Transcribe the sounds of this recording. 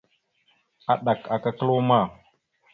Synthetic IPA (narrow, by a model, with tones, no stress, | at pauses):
a˨ɗa˨ka˨ka˦kə˦lo˦ma˦˨